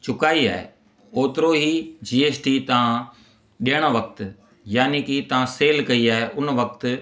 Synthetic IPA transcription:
t͡ɕʊkaːia̰ːɦḛ | oːt̪ɪɾoɦiːd͡ʑiːeːsʈiːt̪ɐʋã | ɗɪəɽ̃əʋɐk̚t̪ | jaːnikɪt̪ɐʋãseːlkɐiaːɦeʔʊnʋɐk̚t̪

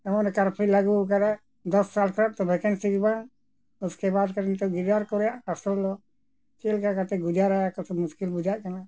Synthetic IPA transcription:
ɛmɔnɛkaɾpʰilaɡukaɾɛ | d̪ɔsːalkʰɾaʔ̚t̪ɔbɛkɛnsiɡbaŋ | uskɛbad̪kaɾnit̪ɔɡiɾd̪aɾkɔɾɛjaʔasɔlːɔ | kɛlkakat̪ɛɡud͡ʒaɾajakɔsɔmuskilbud͡ʒaʔkana

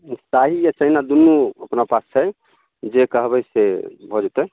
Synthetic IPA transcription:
saɦijat͡ʃəɦinad̪unːuəpnapast͡ʃʰɛj | d͡ʒekəɦbɛjsebʱɔd͡ʒut̪ɛ

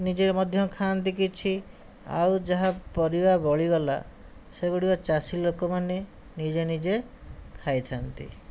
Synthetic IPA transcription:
nid͡ʒemɔd̪ʱjɔkʰant̪ikit͡ʃʰi | a̰wd͡ʒaɦapɔɾibabɔɭiɡɔla̰ | seɡuɽiɔt͡ʃasilokɔmane | nid͡ʒenid͡ʒe | kʰajt̪ʰant̪ḭ

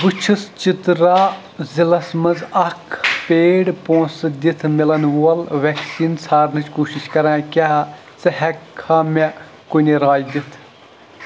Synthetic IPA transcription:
but͡ʃʰɨst͡ʃit̪ɾaː | zilɐsmɐzɐkʰpeːɽpõːsɨd̪ʲit̪ʰmilɐnʋuɐlʋɛksiːnsaːɾnɨt͡ʃʰkoːʃiʃkɐɾãːkʲaː | t͡sɐhɛkʰːaːme | koniɾaːjd̪it̪ʰ

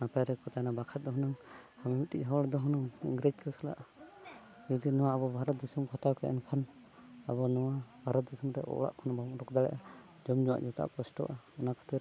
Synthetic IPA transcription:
napajɾɛkɔt̪ajnabakʰat̪̚d̪ɔɦɔnaŋhamiuʈic̚ˀɦɔɽd̪ɔɦɔnaŋiŋɡɾɛd͡ʒkɔsala̰ʔ | d͡ʒɔd̪inɔwaːbɔbʱaɾɔt̪̚d̪ɔsumkʰɔt̪awkɛɛ̰nkʰan | abɔnɔwabʱaɾɔt̪̚d̪ɔsumɾɛ̰ʔɔ̰ʔɽa̰ʔkʰɔnabɔɾɔkd̪aɽɛ̰ʔa | d͡ʒɔmɲɔwa̰ʔd͡ʒɔt̪a̰ʔkɔsʈɔ̰ʔaɔnakʰɔ̥t̪iɾ

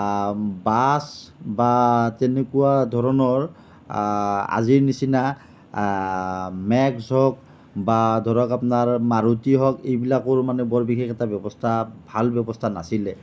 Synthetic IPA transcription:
basbatɛnekuwadʱɔɹɔnɔɹ | a̰ziɹnisina | mɛksɔk̚ | badʱɔɹɔkapnaɹmaɹutiɦɔkejbilakʊɹmanɛbɔɹbikʰexɛtabjɔbɔstʰabʱalbjɔbɔstʰanasilɛ

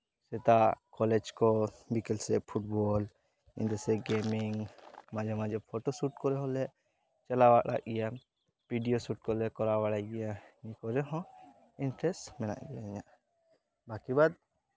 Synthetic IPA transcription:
sɛt̪akɔlɛd͡ʒkɔbikɛlsɛpʰuʈbɔl | ḭnd̪ɛsɛɡɛmiŋmãd͡ʒɔmãd͡ʒɔpʰɔʈɔsuʈkɔɾɛɦɔ̃lɛ | t͡ʃɛlawaʔɽa̰ʔɡɛja | piɖijosuʈ̚kɔlɛkɔɾawaɽajɡɛjaɲikɔɾɛɦɔ̃ | inʈɾɛsʈmɛna̰ʔɡɛaɛɲaʔ | bakibad̪̚

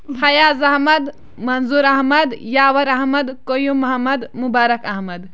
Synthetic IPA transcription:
pʰɐjazɐɦmɐd̪ | mɐnzuɾɐɦmɐd̪jaːwɐɾɐɦmɐd̪kojumɐɦɐmɐd̪mubaːɾɐkɐɦmɐd̪

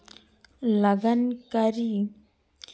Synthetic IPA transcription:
ləɡənkəɾi

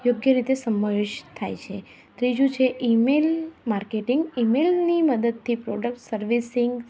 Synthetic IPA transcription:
joɡjəɾit̪esəməʋeʃt̪ʰajt͡ʃʰe | t̪ɾid͡ʒũt͡ʃʰeʔimelmaɾkeʈiŋɡimelniməd̪əd̪̚t̪ʰipɾoɖək̚ʈsəɾʋisɪŋɡ

